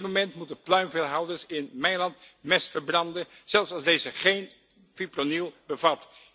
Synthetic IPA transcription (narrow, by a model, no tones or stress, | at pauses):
momɛntmutəplœɥmvɪlˠɦɑwdəɹsɪnmɛjlɑntmɛsfəɹbrɑndə | z̥ɛlˠsɑlˠzdejzəχejn | fipronilˠbəvɑt